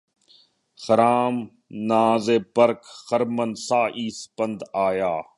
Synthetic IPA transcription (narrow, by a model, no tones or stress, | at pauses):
xɐɾaːm | naːzeːpəɾkxɐɾmənsaːʔiːspɐnd̪aːjaː